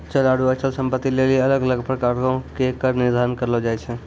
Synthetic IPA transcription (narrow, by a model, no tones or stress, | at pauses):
t͡ʃəlaɽuət͡ʃəlsəmpət̪ːileliələɡələɡpɾəkaɾkõkekəɾniɾd̪ʱaɾənkəɾlɔd͡ʒajt͡ʃʰɛ